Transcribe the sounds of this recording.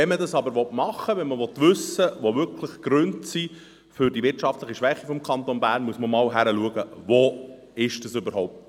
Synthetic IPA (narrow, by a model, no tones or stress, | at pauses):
ɛmədɑsɑbəɾʋɔtmɑχːəʋɛnməʋɔt̪ʋʏsəʋoʋʏrkʰləχkɾøntsi | fʏɾdiʋɪrtʃɑftləχiʃʋɛχifɔmkʰɑnt̪onbæːɾnmuəsməmɑːlɦæɾəluəɡəʋo | ɪʃd̥əsʏbəɾɦɔʊp̚t